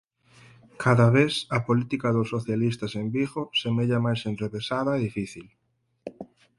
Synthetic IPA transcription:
kʰaðɐβesɐpolit̪ikɐðʊsːoθjalis̬t̪ɐsembiɣosemeʎamajsenrreβesaðɐeðifiθil

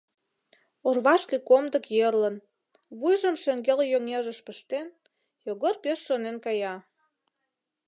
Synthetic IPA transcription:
orβɑʃkĕkomd̪ə̆kjerlə̆n | βujʒə̆mʃĕŋɡeljoŋeʒə̆ʃpəʃt̪en | joɣərpeʃːonenkɑjɑ

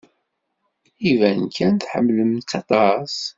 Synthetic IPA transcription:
ivænkʰːænθħə̰mːləmt̪ɑt̪ˤɑs

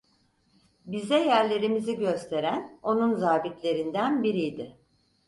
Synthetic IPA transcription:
bizɛjæɾlʲe̞ɾimiziɟø̞st̪ʰe̞ɾæno̞nunzaːbit̪lʲe̞ɾind̪ænbiɾijd̪ɪ

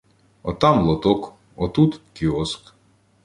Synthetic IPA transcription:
ɔt̪ɑmlˠɔt̪ɔk | ɔt̪ut̪kʲiɔsk

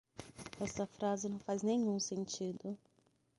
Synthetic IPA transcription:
ɛst̪ɐfɾazɪnɐ̃w̃faznẽɲũsẽnt͡ʃid̪ʊ

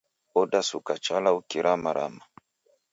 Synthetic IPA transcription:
ɔɗasukat͡ʃalaukiɾʔamaɾʔa̰ma

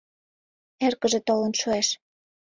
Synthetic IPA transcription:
erkə̆ʒĕt̪olɤ̆nʃoeʃ

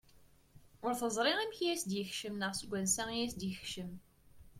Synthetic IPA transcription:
ʊɾθəzˤɾˤɪʁæmçjæsd̪jəçʃəmnəʁsəɡʷːænsæjæsd̪jəxʃəm

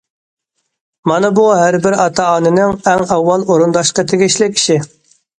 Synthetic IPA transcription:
mɑnɨbuɦæɾbɪɾɑt̪ʰɑɑːnɪnɪŋæŋɛwːɑlˠoɾund̪ɑʃqət̪ʰeɡʲiʃlɪkʲi̥ʃi

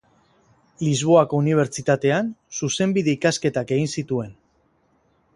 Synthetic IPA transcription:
lizβ̞o̞ako̞uniβ̞e̞ɾt͡ʃit̪at̪e̞ansuse̞mbiðe̞ikaske̞t̪ake̞ɣinsit̪ue̞n

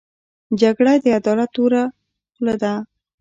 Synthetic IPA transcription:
d͡ʒaɡɽad̪əad̪ɔlat̪ːoɾa | lad̪a

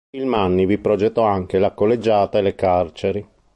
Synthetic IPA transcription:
ilmanːivipɾod͡ʒet̪ːɔaŋkelakolːed͡ʒːaːt̪aelekart͡ʃeɾi

